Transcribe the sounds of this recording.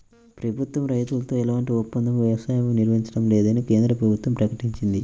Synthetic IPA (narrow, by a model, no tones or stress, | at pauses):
pɾɐbʱut̪wɐmɾɐjt̪ulɐt̪o̞ːɛlaːɳʈiɔpːɐnd̪ʱɐmʋɛsaːjɐmuniɾʋɐɦiɲt͡ʃɐɽɐmlɛːd̪ɐnikeːnd̪ɾɐpɾɐbʱut̪ʋɐmpɾɐkɐʈiɲt͡ʃind̪i